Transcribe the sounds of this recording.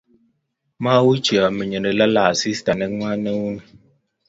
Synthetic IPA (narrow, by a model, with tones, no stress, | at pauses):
ma˦wu˦t͡ʃi˨a˨mə˨ɲə˨nə˨la˦la˨si˦sta˨nɛ˦ŋwa˦nɛ˦wu˦nɛ˨